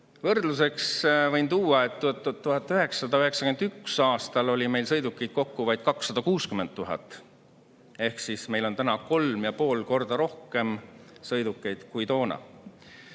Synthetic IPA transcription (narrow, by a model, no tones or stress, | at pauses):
vɤrd̪̥luse̞ksvɤjnt̪uːɑe̞t̪ːut̪ːt̪ːuɦɑt̪ːˑyɦe̞kssɑd̪ɑyɦe̞ksɑkymend̪yksɑːst̪ɑlo̞lʲime̞jlsɤ̞jd̪ukːejd̪̥̚ko̞kːuvɑjd̪̥̚kɑksːɑd̪̥ɑkuːskyment̪t̪ːuɦɑ̰t̪ːˑ | e̞hksisme̞jlo̞nt̪ænɑko̞lmjɑpo̞ːlko̞rd̪ɑɾo̞hke̞msɤjd̪ukːˑe̞jd̪̥kujt̪o̞ːnɑ̰